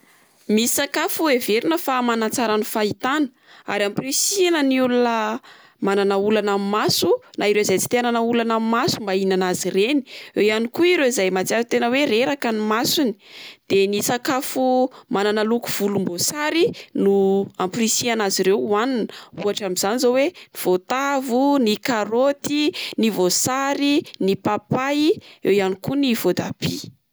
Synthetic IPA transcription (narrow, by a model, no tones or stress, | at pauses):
misakafueveɾinəfamanat͡saɾanufait̪anə̥ | a̰ɾamprisianəniulunə | mananəulanammasunʔaiɾeizajt͡si̥t̪eananəulanammasumbainanazireni̥ejanikuiɾewizajmat͡siaɾt̪enəweɾeɾakanimasuni̥d̪̥enisakafumananaluku̥v̥ulumbosaɾinuamprisianaziɾewaninuaʈ͡ʂamiz̥anizoweniv̥ot̪avunikaɾot̪inivosaɾinipapajiewjanikunivod̪ab̥ḭ